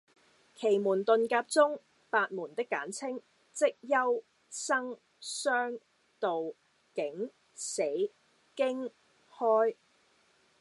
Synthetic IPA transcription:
kʰe˨˩jmuː˨˩nt̪ɵ˨nkaː˧p̚t͡sʊ˥ŋ | paː˧t̚muː˨˩nt̪ɪ˥kːaː˨˥nt͡sʰɪ˥ŋ | t͡sɪ˥k̚jɐ˥w | sɐ˥ŋ | sœː˥ŋ | t̪o˨w | kɪ˨˥ŋ | se˨˥j | kɪ˥ŋ | hɔː˥j

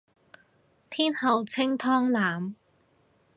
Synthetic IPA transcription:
t̪ʰiː˥nhɐ˨˧wt͡sʰɪ˥ŋt̪ʰɔː˥ŋlaː˨˥m

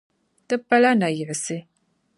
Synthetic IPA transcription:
tɨ˦pːa˦la˦na˨jə˨ʕse˦

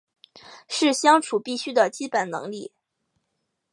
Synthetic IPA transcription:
ʂɻ̩˥˩ɕjɑ˥ŋʈ͡ʂʰu˨˩pi˥˩ɕy˥d̪ə˨t͡ɕi˥pə˨˩nnɤ̰˧˥ŋli˥˩

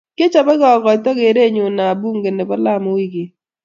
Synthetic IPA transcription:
ke˦t͡ʃa˨bɔ˦ɡɔ˨ɡɔ˨tɔ˦ɡe˨ɾe˦ɲʊ˨na˨bu˦ŋɡe˨ne˨bɔ˦la˦˨mo˦wi˦ɡe˨

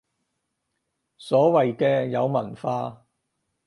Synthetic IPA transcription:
sɔː˨˥wɐ˨jkɛː˧jɐ˨˧wmɐ˨˩nfaː˧

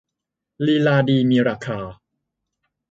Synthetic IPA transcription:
liː˧laː˧diː˧miː˧ɾaː˧˩kʰaː˧

